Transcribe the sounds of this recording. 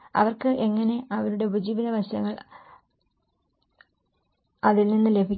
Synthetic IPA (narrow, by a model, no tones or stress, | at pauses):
ɐ̰ʋɐrkɨʔeŋːɐne̞ʔɐʋɐɾuɽe̞ubɐd͡ʑiːʋinɐʋɐɕjɐ̰ŋːɐɭ | ɐðilninːɨle̞bʱikʲː